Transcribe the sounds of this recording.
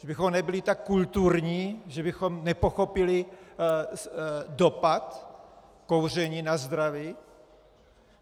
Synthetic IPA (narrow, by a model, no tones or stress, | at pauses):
ʒ̥ɛbɪxomnɛbɪlɪt̪akːult̪uɾɲiːʒɛbɪxo̞mnɛpoxopɪlɪ | dopat̪ | kowr̝ɛɲiːnazd̪ɾaviː